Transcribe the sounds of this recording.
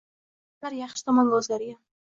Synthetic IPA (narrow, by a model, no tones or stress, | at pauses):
d̪̥aɾjɑχʃɪ̥t̪ʰɒmɒnlɵzlaɾɪɡʲa